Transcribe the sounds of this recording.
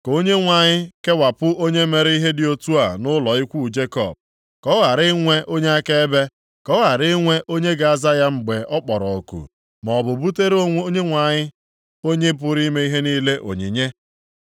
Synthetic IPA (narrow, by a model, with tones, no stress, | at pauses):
ko˦ɲe˦ŋʷa˨ɲɪ˦ke˦wa˨pʊ˦ʔo˦ɲe˦me˨ɾe˦i˦ɦe˦dɪ˨o˦tu˦a˨nʊ˦lɔ˨i˦kʷu˦˨d͡ʒe˦kɔ̰˨b̚ | kɔ˦ɣa˨ɾɪ˦ŋʷe˦ʔo˦ɲe˦a˦ke˦e˦be˦ | kɔ˦ɣa˨ɾɪ˦ŋʷe˦ʔo˦ɲe˦ɡa˨a˨za˦ja˦ŋ͡m̩˨ɡ͡be˨ʔɔ˦k͡pɔ˨ɾɔ˨o˨kṵ˨ | mɔ˨bʊ˨bu˦te˦ɾɲe˦ŋʷa˨ɲɪ˦ | o˦ɲe˦p̬ʊ˦ɾi˦me˦i˦ɦe˦niː˦le˦ʔo̰˨ɲi˨ɲe˦